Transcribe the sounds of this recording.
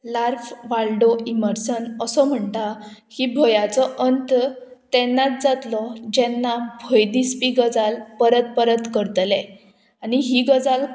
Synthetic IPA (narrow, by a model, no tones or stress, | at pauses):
laɾfʋalɖoiməɾsənəsɔm̤əɳt̪ahiːbʱojat͡sɔʔənt̪ | t̪ɛnːat͡s̪d͡zat̪lɔd͡ʑɛnːabʱɔjd̪ispiɡəd͡zalpəɾət̪̚pəɾət̪kəɾt̪le | aniɦiːɡəd͡zal